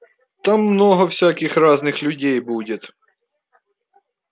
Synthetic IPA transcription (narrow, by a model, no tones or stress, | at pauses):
t̪ɑmːnɔɦɔwsʲakɪxrɑznɪxlʲʊdʲɛjbudʲɐt̪